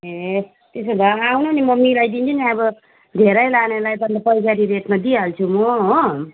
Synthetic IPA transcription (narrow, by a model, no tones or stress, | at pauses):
e | t̪esod̪aawnonimʌmilajd̪int͡sʰuniʌbʌ | d̪ʱeɾʌjlanelajpʌndapʌisaɾiɾeʈnʌd̪iɦalt͡sʰumʌɦo